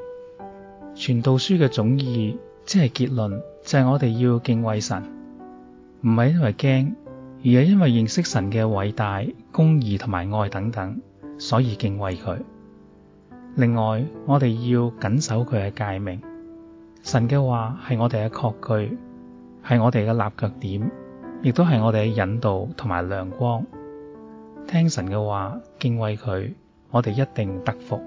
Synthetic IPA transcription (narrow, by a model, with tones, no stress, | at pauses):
t͡ʃʰyː˨˩nt̪o˨wsyː˥kɛː˧t͡sʊ˨˥ŋjiː˧ | t͡sɛː˥hɐ˨jkiː˧t̚lɵ˨nt͡sɐ˨jŋɔː˨˧t̪e˨jːiː˧wkɪ˧ŋwɐ˨jsɐ̰˨˩n | m̩˨˩hɐ˨jɐ˥nwɐ˨jkɛː˥ŋjy˨˩hɐ˨˥wjɐ˥nwɐ˨jːɪ˨ŋsɪ˥k̚sɐ˨˩nkɛː˧wɐ˨˥jt̪aː˨jkʊ˥ŋjiː˨t̪ʰʊ˨˩ŋmaː˨˩jŋɔː˧jt̪ɐ˨˥ŋt̪ɐ˨˥ŋ | sɔː˨˥jiː˧kɪ˧ŋwɐ˨jkʰɵ˨˧ɥ | lɪ˨ŋːɔː˨jŋɔː˨˧t̪e˨jjiː˧wkɐ˨˥nsɐ˨˥wkʰɵ˨˧ɥkɛː˧kaː˧jmɪ˨˩ŋ | sɐ˨˩nkɛː˧waː˨hɐ˨jŋɔː˨˧t̪e˨kɛ˧kʰɔː˧kʰːɵ˧ɥ | hɐ˨jŋɔː˨˧t̪e˨jkɛː˧la̰ː˨p̚kœː˧k̚t̪iː˨˥mjɪ˨k̚t̪o˥wɦɐ˨jŋɔː˨˧ɾe˨kɛ˧jɐ˨˧nt̪o˨wt̪ʰʊ˨˩ŋma̰ː˨˩jlœː˨˩ŋkʷɔː˥ŋ | t̪ʰɛː˥ŋsɐ˨˩nkɛː˧waː˨kɪ˧ŋwɐ˨jkʰɵ˨˧ɥ | ŋɔː˨˧t̪e˨jɐ˥t̚t̪ɪ˨ŋt̪ɐ˥k̚fʊ˨k̚